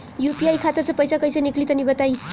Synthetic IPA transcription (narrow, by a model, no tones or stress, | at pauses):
jupiajkʰat̪at͡sʌ̃pʌjsakʌjsʌniklit̪ʌnibʌt̪aj